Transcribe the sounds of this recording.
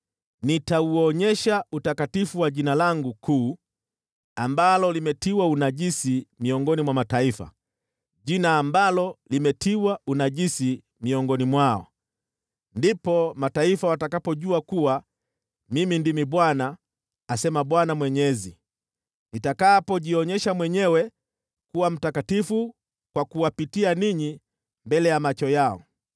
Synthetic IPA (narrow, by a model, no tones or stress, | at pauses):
nitauɔɲɛʃautakatifuwaɟinalaŋɡukʰuː | ambalɔlimɛtiwaunaɟisimiɔŋɡɔnimwamataifa̰ | ɟinaːmbalɔlimɛtiwaunaɟisi | miɔŋɡɔnimwaɔ̰ | ndipɔmataifawatakapɔʄuakuwa | mimindimiɓwanaː | sɛmaɓwanamwɛɲɛzi | nitakaːpɔʄiɔɲɛʃamwɛɲɛwɛ | kuwam̩takatifu | kwakuwapitianiɲi | mbɛlɛjamat͡ʃɔjaɔ̰